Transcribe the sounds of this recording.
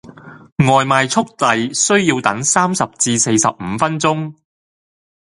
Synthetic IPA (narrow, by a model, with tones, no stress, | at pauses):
ŋɔː˨jmaː˨jt͡sʰʊ˥k̚t̪ɐ˨jsɵ˥ɥjiː˧wt̪ɐ˨˥ŋsaː˥msɐ˨p̚t͡siː˧se˧jsɐ̰˨p̚m̩ː˨˧fɐ˥nt͡sʊ˥ŋ